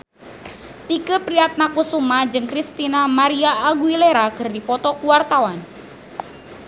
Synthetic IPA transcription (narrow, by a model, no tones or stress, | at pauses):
t̪ikəpɾiat̪̚nakusumad͡ʒɨŋkɾist̪inamaɾiaːɡuileɾakɨrdipɔt̪ɔkuwart̪awan